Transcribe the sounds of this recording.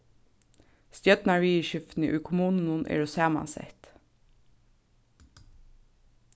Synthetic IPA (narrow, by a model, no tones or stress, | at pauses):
st̪jœt̪nɑɹʋiːʃʏft̪n̩ḭːʔʉːkʰʊmuːnən̩unʔḛːɹosæːmɑ̰nsɛ̰t̪